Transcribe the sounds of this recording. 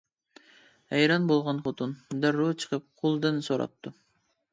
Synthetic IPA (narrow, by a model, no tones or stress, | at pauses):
hɛjɾɑnbolˠʁɑnχot̪ʰund̪æɾːut͡ʃʰə̥qʰəp̚qʰolˠd̪ɨnsoɾɑ̰p̚t̪ʰːu